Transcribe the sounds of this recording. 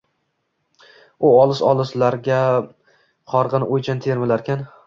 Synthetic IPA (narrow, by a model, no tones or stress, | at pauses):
ʊɒlˠɪʃɒ̰lˠɪʃlaɾɡʲa | qʰɒɾʁɨnɪʔojt͡ʃʰant̪ʰe̞ɾmɪlaɾkʲʰan